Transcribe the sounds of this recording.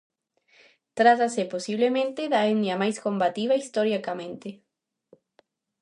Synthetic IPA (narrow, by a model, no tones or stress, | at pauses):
t̪ɾat̪aseposiβlemẽnt̪eðaenjamajskombat̪iβaist̪oɾjakamẽnt̪e